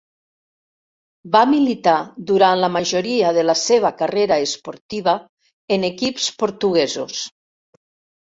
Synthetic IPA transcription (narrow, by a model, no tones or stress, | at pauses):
bamilit̪ad̪uɾanlamaʒoɾiaðelaseβ̞akareɾaespoɾt̪iβa | enekipspoɾt̪uɣɛzos